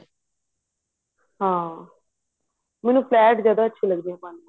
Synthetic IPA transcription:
ɦãː | mɛːnũːpʰlɛːʈzjaːd̪aːətːʃʰiːləɡd̪iːɦɛ̃ːpãːni

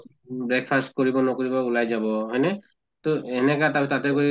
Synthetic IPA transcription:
bɹɛk̚pʰast̚kɔɹibɔnɔkoɹibɔulajzabɔɦɔjnɛ | tɔɛnɛkatapɛtatɛkoi

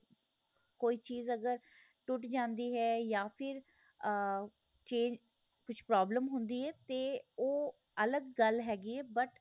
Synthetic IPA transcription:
koːiːt͡ʃiːzəɡəɾ | ʈʊʈd͡ʒãːnd̪iːɦɛːjaːpʰɪɾ | t͡ʃẽːd͡ʒ | kʊt͡ʃʰpɾaːbləmɦʊnd̪iːɛːt̪eːoː | ələɡːəlɦɛːɡiɛːbəʈ

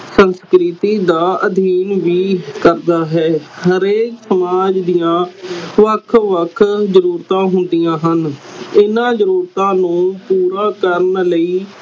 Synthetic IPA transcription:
sənskɾɪt̪iːd̪aːʔəd̪ʱiːnʋiːkəɾd̪aːɦɛːhəɾeːksəmaːd͡ʒd̪ijãːʋəkʰʋəkʰzəɾuːɾt̪ãːɦʊnd̪ijãːɦənɪnãːzəɾuːɾt̪ãːnũːpuːɾaːkəɾnləiː

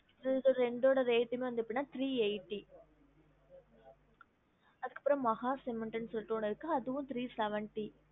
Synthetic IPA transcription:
ɾɛɳɖoːɽɐɾeːʈːɯmeːʋɐnd̪ɯɪpːɐɽɪnːaːt̪ɾiːeɪʈːi | ɐðɯkːɐpːɪɾɐ̃mːɐɣaːsɪmɪɳʈɐnsɔʈːoːnɪɾɯkːɯɐðɯʋʊ̃t̪ɾiːsɛʋɐɳʈi

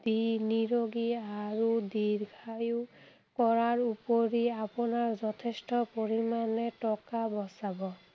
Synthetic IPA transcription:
d̪̥iniɹoɡiaɹudiɹɡʱajʊ | kɔɹaɹupoɹiapʊnaɹzɔtʰestɔpoɹimanɛtɔkabɔsabɔ

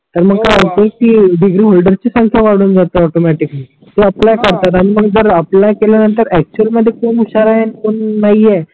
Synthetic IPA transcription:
t̪əɾməɡ̚kajəpok̚t̪iːɖiɡɾiːɦolɖəɾt͡ɕisə̃ŋkʰaʋaɽuːnd͡zat̪əɔʈomɛʈikli | t̪oəplajkəɾt̪at̪aɽ̃iməɡd͡zəɾaplakeljanənt̪əɾæk̚t͡ɕuəlməd̪ʱːjekoːnuɕaɾaɦenkoɳːaiɛ

